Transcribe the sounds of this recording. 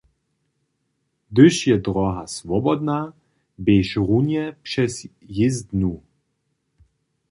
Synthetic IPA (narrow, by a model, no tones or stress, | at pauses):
d̪ɘʃjɛd̪ɾɔɦasvɔbɔd̪na | beʃʁunjɛpʂɛsjɪzd̪nu